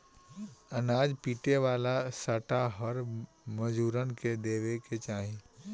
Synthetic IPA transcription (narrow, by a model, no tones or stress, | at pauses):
ɐnaːd͡ʒpiːʈeʋaːlasəʈaɦɐɾ | məd͡ʒuːɾənked̪eːʋeket͡ʃaːɦẽ